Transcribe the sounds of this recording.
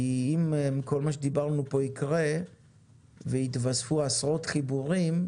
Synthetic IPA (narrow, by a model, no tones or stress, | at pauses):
iimmikʰo̞lmaʃ̬ed̪ibaʁnupo̞ikʁe | veit̪vasfuasʁot̪χibuʁim